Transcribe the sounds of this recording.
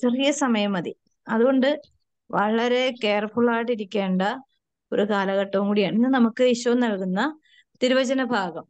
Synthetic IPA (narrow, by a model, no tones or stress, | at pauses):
t͡ɕerijɐsɐmɐjɐmɐði | ɐðuɣo̞ɳɖɨ | ʋɐɭɐɾe̞ke̞ːrfuɭaːʈːiɾikʲːe̞ːɳɖɐ | o̞ɾukaːlɐɣɐʈːɐʋuŋkuːɽijaːɳinːɨnɐmukːɨiɕɐɐmnɐɭkunːɐ | t̪iɾuʋɐd͡ʑɐnɐbʱaːɡɐm